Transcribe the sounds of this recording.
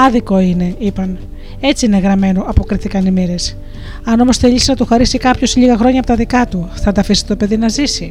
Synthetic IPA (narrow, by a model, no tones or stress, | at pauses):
ɐðiko̞ine̞ipɐn | e̞t͡siine̞ɣɾɐme̞no̞ʔɐpo̞kɾiθikɐnimiɾe̞s | ɐno̞mo̞sθe̞ʎisinɐt̪uxɐɾisikɐpço̞sʎiɣɐxɾo̞ɲɐpot̪ɐðikɐt̪uθɐd̪ɐfisi̥t̪o̞pe̞ðinɐzisi